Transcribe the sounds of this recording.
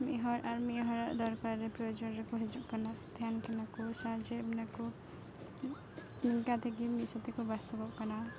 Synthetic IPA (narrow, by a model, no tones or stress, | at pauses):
miʔɦɔɾaɾmiʔɦɔɾaʔd̪ɔɾkaɾːepɾɔjod͡ʒɔnɾekuɦed͡ʒuʔkɔnad̪ʱjankʰelakusad͡ʒebnaku | niŋkat̪ʰeɡimisat̪ekubast̪ɔbɔʔkɔna